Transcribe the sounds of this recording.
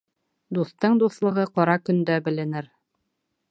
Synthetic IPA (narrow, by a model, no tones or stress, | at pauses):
d̪uθt̪ɤɴd̪uθlˠɤ̆ʁɤqɑɾɑkɵ̆nd̪æbɘ̆lɘ̆nɘɾ